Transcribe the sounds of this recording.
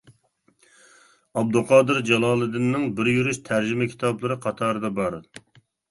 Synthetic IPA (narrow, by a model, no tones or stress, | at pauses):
ɑb̚d̪uqʰɑːd̪ɨɾd͡ʒɛlˠɑːlˠɨd̪ɪnːɪŋbɪɾjyɾyʃt̪ʰæɾd͡ʒimɪkʲʰi̥t̪ʰɑblˠɨɾɨqʰɑt̪ʰɑːɾɨd̪ɑbɑɾ